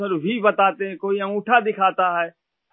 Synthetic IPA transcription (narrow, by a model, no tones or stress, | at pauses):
əɾbʱiːbɐt̪aːt̪eɦɛ̃koːĩũːʈʰad̪ɪkʰaːt̪aɦɛː